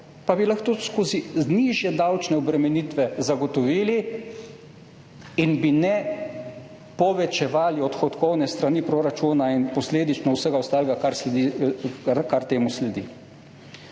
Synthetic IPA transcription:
pabilaxt̪oskoːzizniʒjɛd̪awt͡ʃnɛɔbɾɛmɛniːt̪ʋɛzaɡɔt̪ɔʋiːli | inbinɛ | pɔʋɛt͡ʃɛʋaːliɔt̪xɔt̪kɔwnɛst̪ɾanipɾoɾat͡ʃunainpɔsleːd̪it͡ʃnɔwsəɡaɔst̪aːlɛɡakaɾsi | kaɾt̪eːmuslɛd̪ḭ

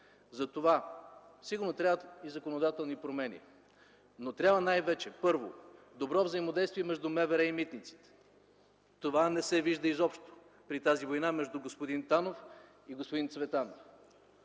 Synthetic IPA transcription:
zɐt̪ovasiɡʊɾnot̪ɾʲavət̪izɐkonod̪at̪ɛlˠnipɾomɛnʲḭ | not̪ɾʲabvənajvɛt͡ʃɛpɤɾvo̰ | d̪obɾɔvzəimod̪ɛjst̪vʲiɛmɛʒd̪umɛvɛɾɛimit̪nit̪si̥t̪ɛ̥ | t̪ovanɛsɛviʒd̪əizɔpʃt̪o̥ | pɾit̪azivojnamɛʒd̪uɡospod̪int̪anof | iɡospod̪int̪svɛt̪anof

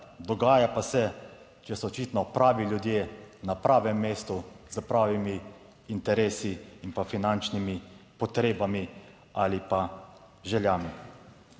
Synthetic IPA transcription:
d̪ɔɡaːjapasɛ | t͡ʃɛsɔɔt͡ʃit̪nɔpɾaːʋiljud̪jeːnapɾaːʋɛmːeːst̪uzəpɾaːʋimiː | nt̪ɛɾeːsiːnpafinant͡ʃnimipɔt̪ɾeːbami | aːlipa | ʒɛljaːmi

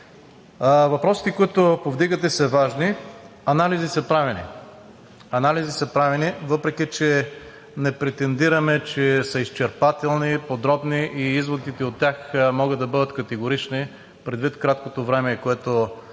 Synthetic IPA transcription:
vɐpɾɔsi̥t̪ɛkoit̪opovd̪iɡət̪ɛsɐvaʒni | ɐnalizisɐpɾavinḭ | ɐnalizisɐpɾavɛnivɤpɾɛk̟it͡ʃɛ | nɛpɾɛt̪ɛnd̪iɾɐmɛt͡ʃɛsɐist͡ʃɛɾpat̪ɛlˠnipod̪ɾɔbniʔiizvod̪it̪ɛot̪ːʲjaxmɔɡəd̪ɐbɤd̪ət̪kɐt̪ɛɡoɾit͡ʃni | pɾɛd̪vit̪kɾat̪kot̪ovɾɛmɛkoɛt̪o

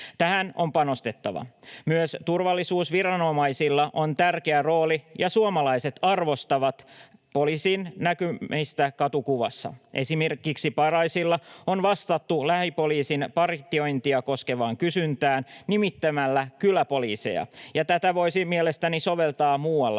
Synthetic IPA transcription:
t̪æɦæno̞mpɑno̞st̪e̞t̪ːɑ̰ʋɑ̰myøst̪urʋɑlːisuːsʋiɾɑno̞mɑjsilːɑʔo̞nt̪ærke̞æro̞ːlijɑsuomɑlɑjse̞t̪ɑrʋo̞st̪ɑʋɑt̪po̞liːsiːnnækyist̪ækɑt̪ukuʋɑ̰sːɑ̰ʔesimerkiksipɑrɑisilːɑonʋɑst̪ɑt̪ːulæhipo̞liːsinpɑrt̪ːˑio̞jnt̪iɑko̞ske̞ʋɑːŋkysynt̪æːnnimit̪ːæmælːækylæpo̞liːsḛjɑ̰jɑt̪æt̪æʋo̞isimielest̪æniso̞ʋe̞lt̪ɑːmuːɑlːɑ

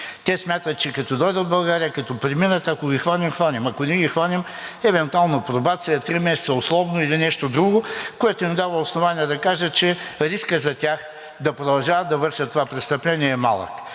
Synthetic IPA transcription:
t̪ɛsmʲat̪ət̪̚t͡ʃɛkɐt̪ɔd̪ɔjd̪əd̪̚bɐlˠɡaɾiəkɐt̪ɔpɾiminət̪ɐkoɡʲixvanimxvanimɐkonɛɡʲixvanimɛvɛnt̪ualˠnopɾobat̪siɛt̪ɾimɛsɛ̥tsəʊslˠɔvnoilinɛʃt̪od̪ɾuɡokoɛt̪ʊnʲʊd̪avəosnovanʲiɛd̪ɐkaʒət͡ʃɛɾiskəzɐt̪ʲax | d̪ɐpɾod̪ɐlˠʒavəd̪ɐvɤɾʃət̪ːovapɾɛst̪ɐplɛnʲiɛːma̰lˠə̰k

